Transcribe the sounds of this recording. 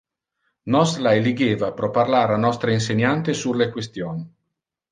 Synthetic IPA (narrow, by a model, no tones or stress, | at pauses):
nɔslaeliɡeːvapɾɔparlaːɾanːɔst̪ɾeins̬eɲant̪esulekwest̪joːni